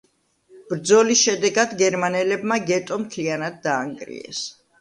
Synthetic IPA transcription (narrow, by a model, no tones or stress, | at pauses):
b̥ɾd̪zɔlisʃɛd̪ɛɡad̪ɡɛɾmanɛlɛbmaɡɛt̪ʼɔmt̪ʰlianad̪̚ːaːŋɡɾḭɛ̰s